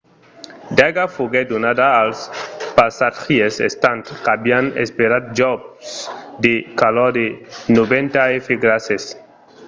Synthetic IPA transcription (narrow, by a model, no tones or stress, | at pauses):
d̪aɡafoɡed̪onad̪aːlspasaxiesḛst̪ãnt̪kabianḛspeɾad̪̚d͡ʒɔb̚sd̪ekalɔd̪enobẽnt̪aefeɡɾases